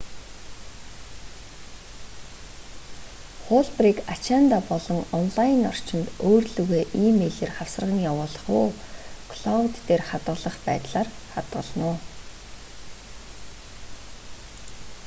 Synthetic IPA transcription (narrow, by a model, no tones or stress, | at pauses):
χʊːɮpriːkat͡ɕʰant̪apɔɮɞ̆ŋɔnɮajɪnɔ̰r̥t͡ɕɪ̆nt̪oːrɮɵɣeːʔiːmeːɮeːrχawsə̆r̆ʁə̆ŋjawʊːɮ̆χʊːkʰɮɔwt̪ːeːrχat̪ɢə̆ɮə̆χpæ̰ːt̪ɮaːrχat̪ɢə̆ɮnʊː